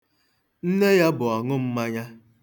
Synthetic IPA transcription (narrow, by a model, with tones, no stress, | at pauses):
n̩˦ne˦ja˦bʊ˨a˨ŋʊ˦m̩˦ma˦ɲa˦